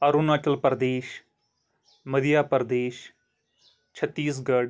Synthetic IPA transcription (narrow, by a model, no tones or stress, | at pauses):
əɾunaːt͡ʃəlpəɾd̪eːʃ | məd̪ijaːpəɾd̪eːʃ | t͡ʃʰət̪ːiːs̬ɡəɽ